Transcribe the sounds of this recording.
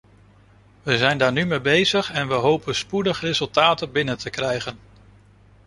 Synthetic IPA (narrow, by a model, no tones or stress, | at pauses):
ʋəzɛjndaːɹnymejbejzəχɛnʋəɦowpənspudəχrezɵlˠtaːtənbɪnəntʰəkrɛjχən